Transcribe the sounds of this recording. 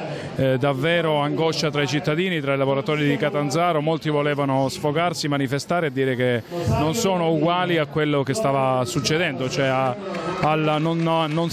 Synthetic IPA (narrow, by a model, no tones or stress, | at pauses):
d̪avːeːɾoaŋɡɔʃat̪ɾait͡ʃit̪ːad̪iːnit̪ɾailavoɾat̪ɔːɾid̪ikat̪and̪zaːɾomolt̪ivoleːvanosfokarsimanifest̪aːɾead̪ːiːɾekenonsoːnouɡwaːliakːwelːokest̪aːvasut͡ʃːed̪ɛnd̪ot͡ʃoɛaalnonnon